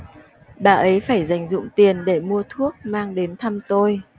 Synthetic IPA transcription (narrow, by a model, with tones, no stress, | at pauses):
ɓaː˨˩ʔə˨˦jfaː˧˩jza˧˩jŋ̟zʊ̰˧˨ŋ͡mt̪i˨˩ənɗe˧˩mu˧ət̪ʰu˦˥ək̚maː˧ŋɗe˨˦nt̪ʰa˧mt̪o˧j